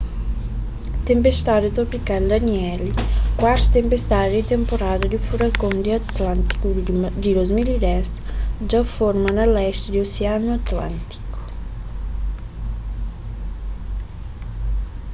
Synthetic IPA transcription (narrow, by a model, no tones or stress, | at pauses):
t̪empest̪aːɾot̪opikald̪anjɛlikwaɾt̪t̪empest̪aːɾd̪it̪empoɾaːd̪ad̪ifuɾakond̪iat̪lant̪i̥kud̪ilozmiliɾɛsd͡ʒaformanalːɛst̪d̪ioseanoat̪la̰nt̪i̥ko̥